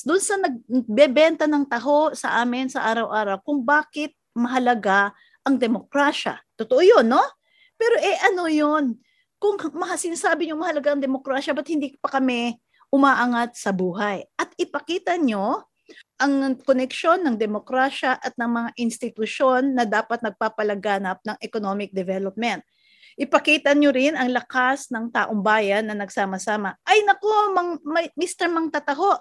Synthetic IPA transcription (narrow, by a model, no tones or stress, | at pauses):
d̪ʊnsɐnɐɡ̚bɛbɛnt̪ɐnɐŋt̪ɐɦo̞sɐ̰ʔaːmɪnsɐʔaːɾɐwʔaːɾɐwkʊŋbaːkɪt̪̚mɐɦɐlɐɡa | ʔɐŋd̪ɛmokɾaʃɐ̰t̪ot̪oʔojonːo̞ | pɛːɾo̞ʔɛʔɐno̞jon | kʊŋmɐhasɪnasaːbɪɲoŋmɐhɐlɐɡaʔɐŋd̪ɛmokɾaːʃɐbɐt̪̚hɪnd̪iːkpɐkɐmɛ | ʔʊmaːʔaŋat̪̚sɐbuːɦajʔɐt̪ɪpɐkiːt̪ɐɲo̞ | ʔɐŋkonɛkʃo̞nːɐŋd̪ɛmo̞kɾaʃɐʔɐt̪̚nɐŋmɐŋaʔɪnst̪ɪt̪ʊʃo̞nːɐd̪aːpɐt̪̚nɐɡ̚paːpɐlɐɡaːnɐp̚nɐŋʔɛkonomɪk̚d̪ɛvɛlop̚mɛnt̪̚ | ʔɪpɐkiːt̪ɐɲoɾɪnɐŋlɐkasnɐŋt̪aːʔoŋbaːjɐnːɐnɐɡsaːmɐsaːmɐʔɐjnɐkomɐŋmɐjmist̪ɛɹmɐŋt̪ɐt̪ɐɦo̞ʔ